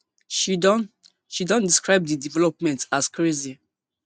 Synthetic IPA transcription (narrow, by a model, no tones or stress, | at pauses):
ʃi | ʃidɔ̃ndiskɹaɪb̚didivɛlɔpmɛ̃ntaskɹezi